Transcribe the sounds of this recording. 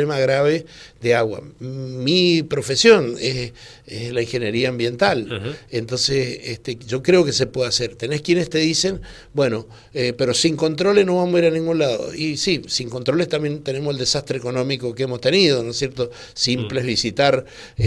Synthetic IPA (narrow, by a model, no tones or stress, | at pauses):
emaɣɾaβeðeaɣwa̰mipɾo̞fesjo̞nes | eslaiŋxe̞njeɾiaːmbje̞nt̪alent̪o̞nsesest̪eʒo̞kɾe̞o̞kesepwe̞ðase̞ɾt̪ene̞skjenest̪e̞ðise̞n | bwe̞no̞ | epe̞ɾo̞siŋko̞nt̪ɾo̞lesno̞βamoiɾanĩŋɡunlaðo̰isisiŋko̞nt̪ɾo̞lest̪ambje̞nt̪e̞ne̞moseld̪esast̪ɾe̞eko̞nõ̞miko̞keemost̪e̞niðonosjeɾt̪o̞ | simpleβisit̪aɾ